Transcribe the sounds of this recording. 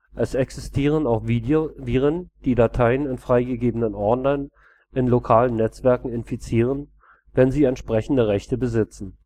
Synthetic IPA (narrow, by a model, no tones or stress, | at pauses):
ʔɛsɛksɪstʰiːʁ̞ənaʊxvidoviːʁənd̥iːdatʰaɪənɪnfʁ̥aɪɡəɡeːbənənʔɔɐdnaɪn | ɪnlokʰaːlənːɛt͡sv̥ɛɐkŋ̩ɪnfit͡siːʁ̞ən | vɛnziːɛntʃpʁ̥ɛçn̩dəʁɛçtəbəzɪt͡sn̩